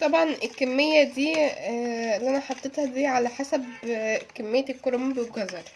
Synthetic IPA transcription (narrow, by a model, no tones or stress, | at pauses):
t̪ˤɑbʕɑnʔelkːæmːejːæd̪iː | lːiʔænæħɑt̪ˤːet̪hæd̪iːʕalæħasæbkæmːejːækːoɾomːbeboɡæzɑɾˤ